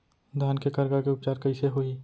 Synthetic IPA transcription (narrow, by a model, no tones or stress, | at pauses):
d̪ʱaːnkekəɾɡakeʊpt͡ʃaːɾkəɪseɦoi